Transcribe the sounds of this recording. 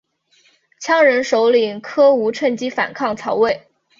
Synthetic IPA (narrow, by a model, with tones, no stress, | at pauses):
t͡ɕʰjɑ˥ŋɻə˧˥nʂo˧˥ʊli˨˩ŋkʰɤ˥u˧˥ʈ͡ʂʰə˥˩ŋt͡ɕi˥fa̰˨˩nkʰɑ˥˩ŋt͡sʰɑ˧˥ʊwe˥˩ɪ